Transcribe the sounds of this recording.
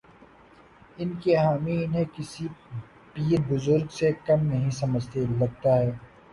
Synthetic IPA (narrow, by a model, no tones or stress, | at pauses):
ɪnkeɦaːmiɪnɦẽkɪsi | piːɾbʊzʊɾɡsekɐmnɐɦĩsɐməd͡ʒt̪elɐɡ̚t̪aɦɛː